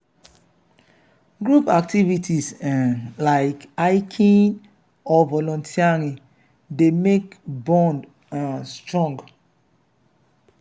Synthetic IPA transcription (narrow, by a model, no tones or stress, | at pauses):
ɡɹupak̚tivitʰisɛ̃nlaɪkaɪkʰĩn | ɔvɔlɔ̃ntʰiaɾi | demekbɔ̃nd | ãstɹɔ̃ŋɡ